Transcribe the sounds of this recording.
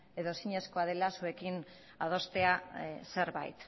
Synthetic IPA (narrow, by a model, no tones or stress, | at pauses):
e̞ðo̞siɲe̞sko̞aðe̞lasue̞kin | að̞o̞st̪e̞ase̞ɾβa̰jt̪